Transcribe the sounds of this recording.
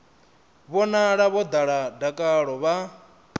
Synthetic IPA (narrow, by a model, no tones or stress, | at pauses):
βɔnaɺaβɔd̪aɺadakʼaɺɔβa